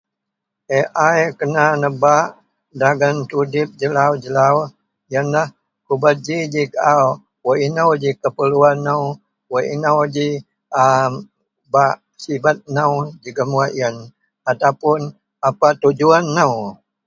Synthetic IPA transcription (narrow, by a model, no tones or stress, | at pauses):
ʔeʔajkənanəbaʔ | daɡant̪udɪp̚d͡ʒəlawd͡ʒəlaw | jənlah | kubat̪̚d͡ʒid͡ʒikaʔaw | wəinəwd͡ʒikəpəluanːəw | wəʔḭnəwd͡ʒi | ə | baʔ | sibat̪̚nawd͡ʒiɡəmuaʔjən | at̪awpʊn | apat̪ud͡ʒuanːəw